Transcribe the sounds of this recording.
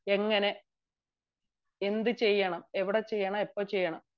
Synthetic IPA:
e̞ŋːɐne̞ | end̪ɨt͡ɕe̞jːɐɳɐmeʋiɽet͡ɕe̞jːɐɳɐmepːoːt͡ɕejːɐɳɐm

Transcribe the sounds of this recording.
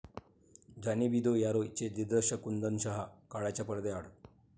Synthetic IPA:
d͡ʑanibid̪ojaɾoit͡ɕed̪id̪əɕəkund̪ənɕaɦakaɭat͡ɕjapəɾd̪eaɽ

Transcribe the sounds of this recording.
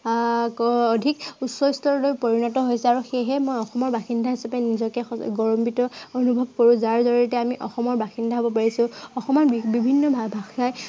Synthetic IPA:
kːdʱikusɔjstɔɹɔlojpoɹinɔtɔɦojsɛaɹuxeɦɛmojɔxɔmɔɹbaxindʱaɦisapɛnizɔkɛɡɔɹɔmbitɔonubʱɔb̚koɹũzaɹzɔɹitɛamiʔɔxɔmɔɹbaxindʱaɦobɔpaɹisʊ̃ɔxɔmɔnbibʱinːɔbʱabʱaxaj

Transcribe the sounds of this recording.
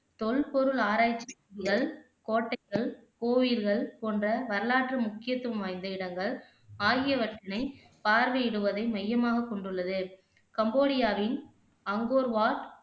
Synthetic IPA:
t̪ɔɭpɔɾɯɭaːɾaːjɪt͡ʃːɐɣɐɭ | koːʈːɐɪɣɐɭkoːʋiːɾɣɐɭpoːndrɐʋɐɾɐlaːʈrɯmʊkːɪjɐt̪ːɯʋɐmʋaːjnd̪ɐɪɽɐŋɡɐɭ | aːɣɪjɐʋɐʈːɪnɐɪ | paːɾʋɐjɪɽɯʋɐðɐɪmɐjːɐmaːɣɐkːɔɳɖɯɭːɐðɯ | kɐmboːɽɪjaːʋɪn | ɐŋɡoːɾʋaːʈ

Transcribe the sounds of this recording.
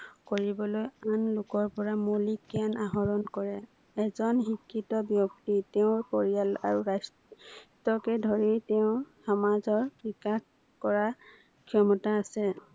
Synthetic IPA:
koɹibɔlojanlʊkɔɹpɔɹamolikianaɦɔɹɔnkɔɹɛ | ɛzɔnɦikʰːitɔbjɔktitɛʊ̃ɹpɔɹijala̰ɹuɹas | tɔkɛdʱoɹitɛʊ̃xɔmazɔɹpɹikax | kɔɹa | kʰiɔmɔtaːsɛ

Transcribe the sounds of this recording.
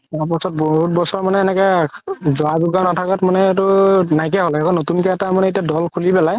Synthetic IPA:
apɔsɔt̚bɔɦut̚bɔsɔɹmanɛːnɛkɛzʊazuɡanɔtʰakatmanɛtʊnajk̬ɛɦɔlɛakɔnotunkɔɛtamanɛit̬iadɔlkʰulipɛlaj

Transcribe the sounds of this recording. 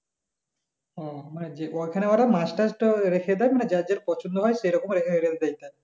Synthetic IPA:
ɔmaned͡ʑeoekʰaneoaʈamasʈasʈɔɾekʰed̪ajmaned͡ʑad͡ʑeɾpɔt͡ɕʰond̪oɦɔjʃejɾɔkomɾekʰeɾed̪ajt̪aj

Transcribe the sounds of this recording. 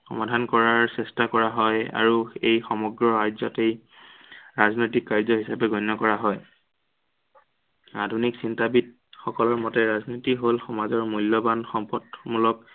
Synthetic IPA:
xɔ̰madʱankɔɹaɹsɛstakɔɹaɦɔja̰ɹuejxɔmɔɡɹɔajzɔtej | ɹaznojtikːaɹzɔɦisapɛɡɔnːɔkɔɹaɦɔj | adʱuniksintabit̚ | xɔkɔlɔɹmɔtɛɹaznotiɦolxɔmazɔɹmulːɔbanxɔmpɔtmulɔk

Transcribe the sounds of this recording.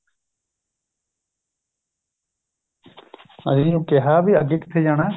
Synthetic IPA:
ə̰sĩːjũːkɪɦaːbiːəɡeːkɪ̥t̪ʰeːd͡ʒaːɽ̃aː

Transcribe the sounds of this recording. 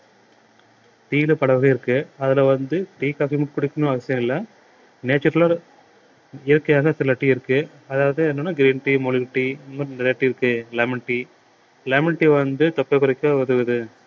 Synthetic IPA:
t̪iːlɯpɐɽɐʋɯɣɐɪɾɯkːɯɐðɪlɐʋɐnd̪ɯʈiːkaːfimɪʈkʊɽɪkːɯnʊ̃ɐɣɐsɪjɐ̃ɪlːɐ | neːt͡ʃɯɾɐlaː | ɪjɐɾkːɐjaːɣɐsɪlɐʈːiɪɾɯkːɯ | ɐðaːʋɐðɯɛnːɯnːaɡɪɾiːnʈimɔɭɪʈːinɐnɪɾɐjɐʈːiɪɾɯkːɯlɐːmɪɳʈːi | leːmɪɳʈːiʋɐnd̪ɯt̪ɐpːɐɪpɐɾɐkʲːɐʋɐðɯʋɐðɯ

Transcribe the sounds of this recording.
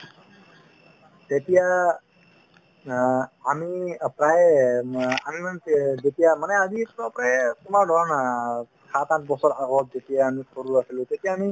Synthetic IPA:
t̪et̪ija | mipɾaj | amimand͡ʒetijamanɛazipɾɔpɾajtɔmaɾdʱɔɾana | sʰat̪ãnt̚bɔsɔɾaɡɔt̪̚d͡ʒetijaːmisʰɔɾuasilut̪etijaːmi

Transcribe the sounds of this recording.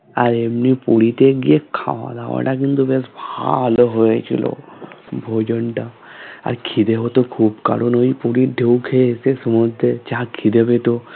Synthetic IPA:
aɾemnipuɽit̪eɡekʰːa̰ʋa̰d̪a̰ʋɔ̰ʈakint̪ubesbʱaloɦoet͡ʃʰḭlo̰bʱod͡ʒəɳʈa | a̰ɾkʰid̪eɦot̪okʰuːbka̰ɽonoipuɽiɖʱeukʰesesəmɔd̪ʱet͡ʃakʰid̪ebet̪o

